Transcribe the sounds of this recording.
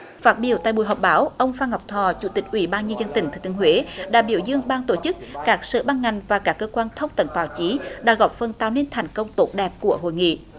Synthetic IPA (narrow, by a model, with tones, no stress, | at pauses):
faː˦˥t̚ɓḭ˧˩əwt̪a̰ː˧˨ɓṵ˨jɦɔ˨˩k͡p̚ɓaː˨˦wʔə˧wŋ͡mfaː˧ŋɔ˨˩wk͡p̚t̪ʰɔ˨˩t͡ɕu˧˩t̪ï˨˩k̟̚ʔwi˧˩ɓaː˧nɲə˧nzə˧nt̪ï˧˩ŋ̟t̪ʰːt̪ɨ˨˦ə˦ɦwe˨˦ɗa̰ː˧˩ɓi˧˩əwzɨ˧əŋɓaː˧nt̪o˧˩t͡ɕɨ˦˥k̚kaː˦˥k̚sə̰ː˧˨ɓaː˧nŋa˨˩jŋ̟vaː˨˩kaː˦˥kːəː˧kwaː˧nt̪ʰə˧wŋ͡mt̪ə˧˦nɓaː˨˦wt͡ɕi˨˦ɗa̰ː˧˥ɣɔ˨˩p̚fə˨˩nt̪aː˨wne˧nt̪ʰa˨˩jŋ̟kə˧wŋ͡mt̪o˦˥t̚ɗɛ˨˩p̚ku˧˩əɦo̰˧˨jŋḭ˧˨